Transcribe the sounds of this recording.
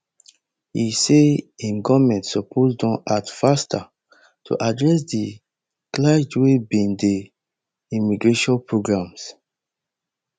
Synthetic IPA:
iseĩnɡɔmɛ̃ntsɔpʰozdɔ̃nʔatfastʰa | tʰṵʔadɹɛs̬di | klad͡ʒwebĩnde | imiɡɹeʃɔ̃npɹoɡɹãms

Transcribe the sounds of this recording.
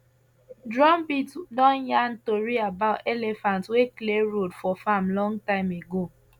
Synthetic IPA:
dɾɔmbitdɔ̃njan̩toɾiabaʊtelefantwekleɾodfɔfamlɔ̃ŋtaɪmeɡo

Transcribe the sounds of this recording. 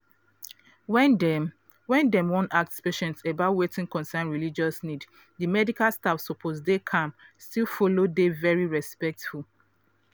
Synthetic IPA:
wɛ̃ndɛ̃mwɔ̃nak̚tspeʃɛ̃ntebatwetĩŋkɔ̃nsɛ̃nɹilid͡ʒɔsnid | dimɛdikalˠstafsɔpʰosdekʰãmstilfɔlodevɛɹiɹɛspɛk̚tful

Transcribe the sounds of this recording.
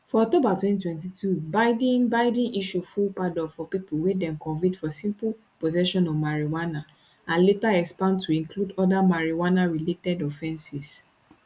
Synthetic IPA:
fɔɔk̚tobatwɛ̃ntitwɛ̃ntitʰubaɪdĩnbaɪdĩʔiʃufulpadɔfɔpipuwedɛ̃nkɔ̃nvĩtfɔsĩmpu | pozɛʃɔ̃nɔvmaɹiwana | ãnletaɛkspãntːuĩŋkludɔdamaɹiwanaɹiletɛdɔfɛ̃nsis

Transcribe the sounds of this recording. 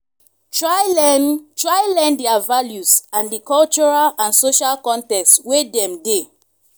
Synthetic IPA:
tɹa | tɹajlɛ̃ndɛavaljusãndikɔlt͡ʃɔɹalãnsoʃalkɔ̃ntɛkstwedɛ̃mde

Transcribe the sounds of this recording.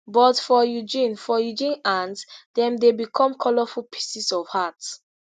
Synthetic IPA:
bɔtfɔjud͡ʒĩnfɔjud͡ʒĩnãnsdɛ̃mdebikʰɔ̃mkʰɔlɔfulpʰi̥sisɔv̥hat

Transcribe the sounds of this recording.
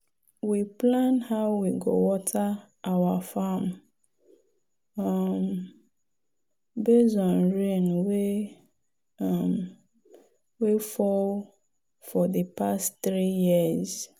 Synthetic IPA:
wiplãnhaʊwiɡo̰wɔtʰa | ʔawafam | am | bezɔ̃nɹẽnwe | am | wefɔl | fɔðəpastθɾijiz

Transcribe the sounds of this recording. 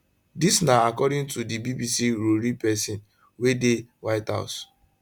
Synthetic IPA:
disnaakɔdɪ̃ŋtudibibisiɾoɾipɛsĩn | wedewaɪtha̰ʊs

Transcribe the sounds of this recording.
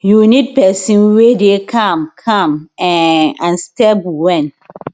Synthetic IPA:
junid̚pɛsĩnwedekʰãmkʰãmɛ̃ãnstɛbwɛ̃n

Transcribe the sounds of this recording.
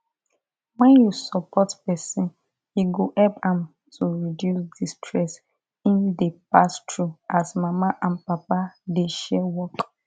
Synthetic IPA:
wɛ̃njusɔpɔtpɛsĩn | iɡoʔɛpãm | tʰuɹidjusdistʰɹɛs | ĩndepastʰɹuasmamaʔãnpapadeʃɛwɔk

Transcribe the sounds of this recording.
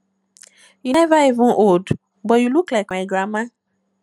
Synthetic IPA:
jinɛvaevũʔod | bɔjiluklɛkãiɡɾamã

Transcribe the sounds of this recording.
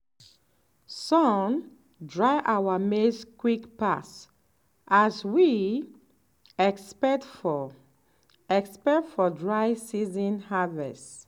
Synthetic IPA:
sɔ̃n | dɹaɪʔawameskwikpas | ʔaswi | ɛkspɛktf | ɛkspɛktfɔdɹaɪsizɔ̃nhavɛ̰st

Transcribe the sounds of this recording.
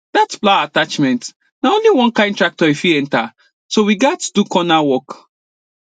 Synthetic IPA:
d̥atsplaatat͡ʃmɛ̃nt | naõnliwɔ̃nkãɪ̃ntɹak̚tɔifiɛ̃nta | sowiɡatu̥dukɔnawɔk

